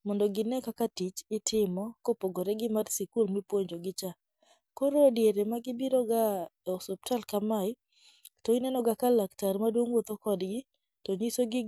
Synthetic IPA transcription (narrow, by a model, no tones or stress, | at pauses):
mɔndɔɡɪnɛkakatit͡ʃɪtʰɪmɔkopoɡoɾɛɡɪmarsikulmipwoɲd͡ʒoɡɪt͡ʃa | koɾodjeɾemaɡɪbiɾɔɡa | osɔp̚talkamaɪ | tɔɪnɛnɔɡakalaktarmadwoŋwot̪okɔdɡɪ | toɲisoɡɪ